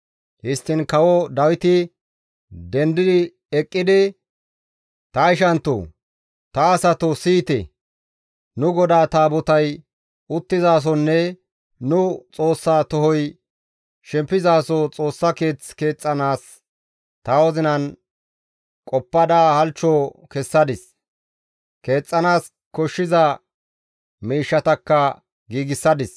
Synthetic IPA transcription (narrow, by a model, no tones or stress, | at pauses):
hɪst̪ːɪnkɐwɔd̪ɐwɪt̪ɪ | d̪ɛnd̪ɪd̪ɪ | ɛkʼːɪd̪ɪ | t̪ɐɪʃɐnt̪ːo̰ | t̪ɐːsɐt̪ɔsiːt̪ɛ̰ | nʊɡɔd̪aːt̪aːbɔt̪ɐj | ʊt̪ːɪzaːs̬ɔnːɛ | nʊt͡sʼo̞ːsːaːt̪ɔɦɔj | ʃɛmpːɪzaːsɔt͡sʼo̞ːsːɐke̞ːt͡ske̞ːt͡sʼːɐnaːs | t̪ɐwɔzɪnɐn | kʼɔpːɐd̪aːhɐlt͡ʃːɔːkɛsːɐd̪ɪs | ke̞ːt͡sʼːɐnaːs | kɔʃːɪzɐ | miːʃːɐt̪ɐkːɐ | ɡiːɡɪsːɐd̪ɪs